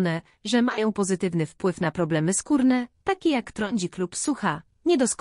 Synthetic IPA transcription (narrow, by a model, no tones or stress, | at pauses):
nɛ | ʐɛmajɔ̃w̃pɔzɘt̪ɘvnɘfpwɘfnapɾɔblɛmɘskuɾnɛt̪akʲejakt̪ɾɔɲd͡ʑiklupsuxa | ɲɛd̪ɔsk